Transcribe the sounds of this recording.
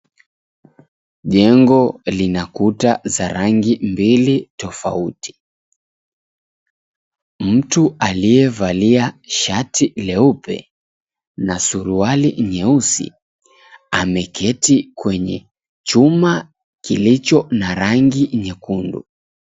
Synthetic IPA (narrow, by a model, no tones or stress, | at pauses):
ʄɛŋɡɔlinakutazaɾaŋɡimbilitɔfa̰utʰi̥ | m̩tualijɛvaliaʃatʰilɛupɛ̰ | nasuɾualiɲɛusḭ | amɛkʰɛtikwɛɲɛ | t͡ʃuma | kilit͡ʃɔnaɾaŋɡiɲɛkundṵ